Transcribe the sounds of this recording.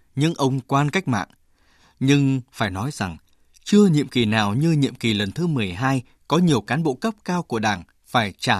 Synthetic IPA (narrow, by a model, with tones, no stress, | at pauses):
ɲɨ̰˧˥ŋʔə˧wŋ͡mkwaː˧nka˦˥jk̟̚ma̰ː˧˨ŋ | ɲɨ˧ŋfaː˧˩jnɔ˨˦jza˨˩ŋ | t͡ɕɨ˧əɲḭ˧˨əmki˨˩naː˨˩wɲɨ˧ɲḭ˧˨əmki˨˩lə˨˩nt̪ʰɨ˨˦mɨ˨˩əjɦaː˧j | kɔ˨˦ɲi˨˩əwkaː˨˦nɓo̰˧˨kə˦˥p̚kaː˧wku˧˩əɗaː˧˩ŋ | faː˧˩jt͡ɕaː˧˩